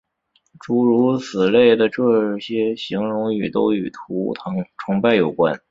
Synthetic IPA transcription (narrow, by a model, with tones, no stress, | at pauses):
ʈ͡ʂu˧˥ɻu˧˥sɹ̩˨˩le˥˩ɪd̪ə˩ʈ͡ʂɤ˥˧ɕjɛ˥ɕi˧˥ŋɻʊ˧˥ŋy˨˩t̪o˥ʊy˨˩t̪ʰu˧˥˧ʈ͡ʂʰʊ˧˥ŋpa˥˩ɪjo˨˩ʊkwa̰˥n